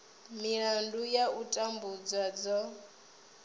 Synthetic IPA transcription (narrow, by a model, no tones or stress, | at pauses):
miɺandujautʼambud͡zwad͡zɔ